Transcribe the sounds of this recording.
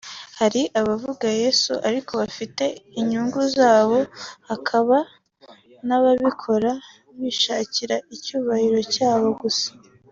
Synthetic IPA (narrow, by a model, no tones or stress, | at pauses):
haɾiʔaβavuɡaje̞ːsṵʔaɾikʰo̞βafite̞iɲuːŋɡuzaːβo̞hakʰaβa | naβaβikʰo̞ɾa | βiʃaːciɾaicuːβahiɾo̞caːβo̞ɡusḁ